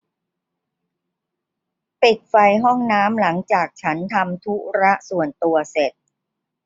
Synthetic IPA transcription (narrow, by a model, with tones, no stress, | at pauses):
pe˨˩k̚fa˧jɦɔ˥˩ŋnaː˦˥mla˩˦ŋt͡ɕaː˨˩k̚t͡ɕʰa˦˥nt̪ʰa˧mt̪ʰu˦˥ɾa˦˥ʔsu˨˩ənt̪u˧ɐse˨˩t̪̚